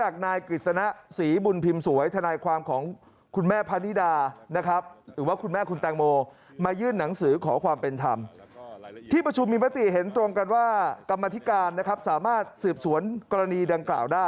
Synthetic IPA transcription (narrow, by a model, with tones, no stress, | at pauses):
t͡ɕaː˨˩k̚naː˧jkɾi˨˩t̪̚sa˧na˦˥siː˩˦bu˧npʰi˧msu˩˦əjt̪ʰa˧naː˧jkʰwaː˧mkʰɔː˩˦ŋ | kʰu˧nmɛː˥˩pʰa˦˥ni˦˥daː˧na˦˥kʰa˦˥p̚ɾɯː˩˦waː˥˩kʰu˧nmɛː˥˩kʰu˧nt̪ɛː˧ŋmoː˧ | maː˧jɯː˥˩nːa˩˦ŋsɯː˩˦kʰɔː˩˦kʰwaː˧mpe˧nt̪ʰa˧m | t̪ʰiː˥˩pɾa˧t͡ɕʰu˧mːiː˧ma˦˥t̪i˨˩ʔɦe˩˦nt̪ɾo˧ŋka˧nwaː˥˩ka˧mːa˧t̪ʰi˦˥kaː˧nːa˦˥kʰa˦˥p̚saː˩˦maː˥˩t̪̚sɯː˨˩p̚su˩˦ənkɔː˧ɾa˧niː˧da˧ŋkla̰ː˨˩wdaː˥˩